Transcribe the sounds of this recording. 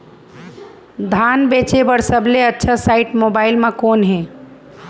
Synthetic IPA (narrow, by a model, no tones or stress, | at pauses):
d̪ʱanbet͡ʃebəɽsəbleətːʃʰəsaɪʈmobaɪlmãkoːnɦẽ